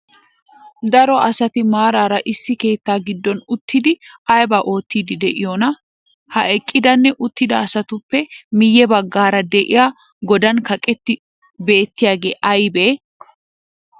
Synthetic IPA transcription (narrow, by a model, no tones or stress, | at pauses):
d̪ɐɾɔʔɐsɐt̪ɪmaːɾaːɾɐʔɪsːɪke̞ːt̪ːaːɡɪd̪ːɔnʊt̪ʰːɪd̪ɪɐjbɐʔo̞ːt̪ːiːd̪ɪd̪ɛʔɪjɔnɐ | hɐʔɛkʼːɪd̪ɐnːɛʔʊt̪ːɪd̪ɐːsɐt̪ʊpːɛmɪjːɛbɐɡːaːɾɐd̪ɛʔɪjaː | ɡɔd̪ɐnkɐkʼɛt̪ːɪ | be̞ːt̪ːɪjaːɡe̞̰ːʔɐjbeː